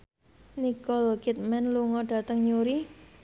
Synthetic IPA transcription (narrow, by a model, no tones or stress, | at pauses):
nikɔlkit̪̚mɛnluŋɔɖ̥a̤t̪əŋɲuɾi